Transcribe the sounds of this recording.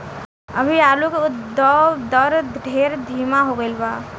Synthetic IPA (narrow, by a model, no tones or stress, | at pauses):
əbʱiaːlukeʊd̪ɔd̪əɾɖʱeːɾd̪ʱiːmaɦoɡəɪlbaː